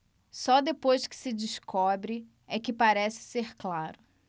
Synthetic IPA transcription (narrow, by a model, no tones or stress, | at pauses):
sɔd̪epojʃkɪ̥sɪd͡ʒiskɔbɾɪ | ɛkɪpaɾɛsɪ̥seɾklaɾʊ